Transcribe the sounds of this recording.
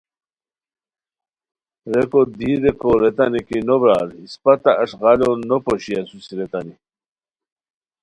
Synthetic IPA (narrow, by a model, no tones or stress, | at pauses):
ɾekod̪iɾekoɾet̪anikinobɾaːɾspat̪aʔːʂɣɑlonopoɕiasusiɾet̪ani